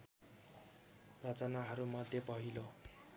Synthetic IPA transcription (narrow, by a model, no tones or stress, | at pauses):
rʌt͡sʌnaɦʌɾumʌd̪ʱjepʌɦilo